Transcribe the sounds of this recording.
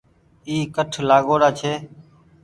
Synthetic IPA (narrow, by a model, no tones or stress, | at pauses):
iːkəʈʰlaːɠoːɾaːt͡ʃʰeː